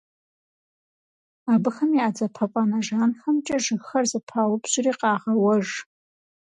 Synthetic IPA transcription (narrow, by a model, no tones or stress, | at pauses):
abɨxɐmiaːd͡zɐpʰɐpʼanaʒaːnxɐmt͡ʃʼɐʐɨɣxɐrzɨpʰaːwʊbɕʊriːqɑːʁɐwɐʐ